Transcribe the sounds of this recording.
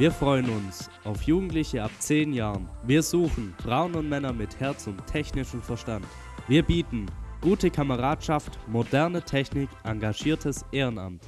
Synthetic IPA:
viːɐfʁ̥ɔʏənʊnsʔaʊfjuːɡŋ̩tlɪçəapt͡seːnjaːʁənviːɐzuːxn̩fʁ̥aʊənʊntmɛnɐmɪthɛɐt͡sʊnttʰɛçnɪʃn̩fɛɐʃtant | viːɐbiːtn̩ɡ̥uːtəkʰaməʁaːtʃaftmodɛɐnətʰɛçnɪkʔaŋɡaʒiːɐtʰəsʔeːʁəna̰mt

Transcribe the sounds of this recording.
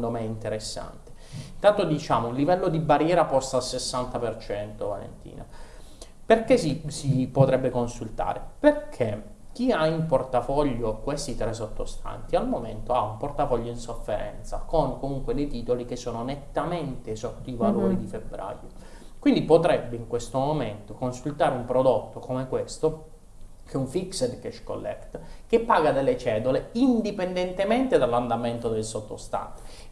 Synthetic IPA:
d̪omɛint̪eɾesːa̰nt̪e̥ | int̪ant̪od̪it͡ʃaːmounlivɛlːod̪ibarjɛːɾapɔst̪aːlsesːant̪apert͡ʃɛnt̪ova̰lḛnt̪ḭːna̰ | perkesisipot̪ɾɛbːekonsult̪a̰ːɾeperkʰe | k̟iaimport̪afɔʎːokwest̪it̪ɾɛs̬ot̪ːost̪a̰nt̪ialmomḛnt̪oaumport̪afɔʎːoinsofːeɾɛ̰nt̪sa̰koŋkomuŋkwelet̪iːt̪olikesːoːnonet̪ːament̪esot̪ːoivaloːɾid̪ifebːɾa̰ːjo | kwind̪ipot̪ɾɛbːeiŋkwest̪omoment̪okonsult̪aːɾeumpɾod̪ot̪ːokomekwest̪o | kʰɛuɱfiksed̪kɛʃko̰lːɛ̰kt̪kepːaːɡad̪elːet͡ʃɛːd̪uleind̪ipend̪ent̪ement̪ed̪alːand̪ament̪od̪elsot̪ːo̰st̪a̰nt̪i̥

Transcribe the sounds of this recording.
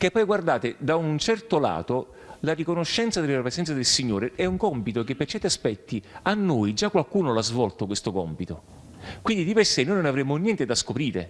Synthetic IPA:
kepːɔjɡward̪aːt̪ed̪aunt͡ʃɛrt̪ola̰ːt̪o | larikonoʃːɛnt̪sad̪elapɾesɛnt̪sad̪elsiɲːoːɾeɛuŋkɔmpit̪okepːert͡ʃɛɾt̪iaspɛt̪ːianːoːjd͡ʒakːwalkuːnolazvɔlt̪okwest̪okɔmpit̪o | kwind̪id̪ipersenojnonavɾemːonjɛnt̪ed̪askopɾiːɾḛ

